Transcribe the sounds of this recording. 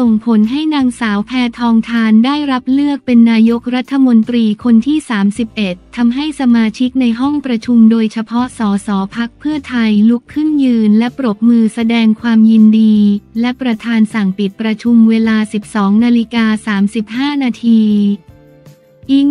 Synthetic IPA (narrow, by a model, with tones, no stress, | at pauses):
so˨˩ŋpʰo˩˦nɦa˥˩jnaː˧ŋsaː˩˦wpʰɛː˧˥t̪ʰɔː˧ŋt̪ʰaː˧ndaː˥˩jɾa˦˥p̚lɯ˥˩ək̚pe˧nːaː˧jo˦˥k̚ɾa˦˥t̪ʰːa˧mo˧nt̪ɾiː˧kʰo˧nt̪ʰiː˥˩saː˩˦msi˨˩p̚ʔe˨˩t̪ʰːa˧mɦa˥˩jsa˧maː˧t͡ɕʰi˦˥k̚na˧jɦɔ˥˩ŋpɾa˧t͡ɕʰu˧mdoː˧jt͡ɕʰa˧pʰɔ˦˥ʔsɔː˩˦sɔː˩˦pʰa˦˥k̚pʰɯ˥˩ɐt̪ʰa˧jlu˦˥kʰːɯ˥˩njɯː˧nlɛ˦˥pɾo˨˩p̚mɯː˧sa˧dɛː˧ŋkʰwaː˧mji˧ndiː˧lɛ˦˥pɾa˧t̪ʰaː˧nsa˨˩ŋpi˨˩t̪̚pɾa˧t͡ɕʰu˧mweː˧laː˧si˨˩p̚sɔː˩˦ŋnaː˧li˦˥kaː˧saː˩˦msi˨˩p̚haː˥˩naː˧t̪ʰiː˧ | ʔiː˨˩k